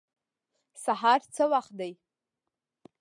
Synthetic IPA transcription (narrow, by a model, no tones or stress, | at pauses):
saħart͡sʰɨwaχdej